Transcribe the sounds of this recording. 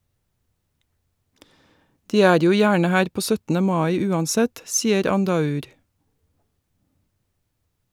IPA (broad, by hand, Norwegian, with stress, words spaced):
ˈdiː ˈæːɾ ˈjuː ˈjæːɳə ˈhæːɾ ˈpoː ˈsœtn̩ə ˈmɑɪ ˈʉːɑnˌsɛt ˈsiːəɾ ˈɑndɑˌʉːɾ